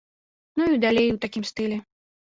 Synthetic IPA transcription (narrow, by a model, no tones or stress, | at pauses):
nuid̪alʲejwt̪akʲimst̪ɨlʲɛ